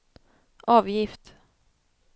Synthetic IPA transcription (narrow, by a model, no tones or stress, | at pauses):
ʔɑːvjɪft̪